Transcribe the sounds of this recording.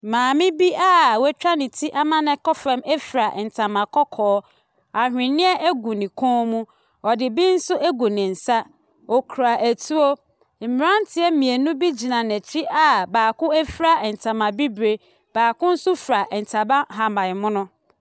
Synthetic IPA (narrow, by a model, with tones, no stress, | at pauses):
mãː˨mɪ̃˦bi˦ʔa˦wɛ˦t͡ɕᶣa˦nɪ̃˨tʰi˦ʔa˦mã˦nɛ̃˨kɔ˦fɛ̃˦mɛ˦fɾa˨ʔn̩˨tʰa˨mã˨kʰɔ˦kʰɔː˦ | a˨hᶣɪ̃˨nɪ̃˦ɛ˦ʔæ˦ɡu˨nɪ̃˨kʰɔ̃˦mũ˦ | ɔ˨dɪ˨bi˦n̩˦sʊ˦ʔæ˦ɡu˨nɪ̃˨n̩˨sa˦ | o˨kʰu˨ɾa˨ʔæ˨tʰu˦o˦ | m̩˨mɪ˨ɾã˦n˦tʰɪ˦ɛ˦mĩ˨e˨nũ˦bi˦d͡ʑi˨nã˨nɛ̃˨tʰi˦ʔa˦baː˨kʊ̃˦ɛ˦fɾa˦ɛ˨n̩˨tʰa˨mã˨bi˦bɾe˨ | b̥aː˨kʊ̃˦n̩˦sʊ˦fɾa˨ʔɛ˨n̩˨tʰa˨bã˦ɦa˨mã˨jmʊ̃˦nʊ̃˦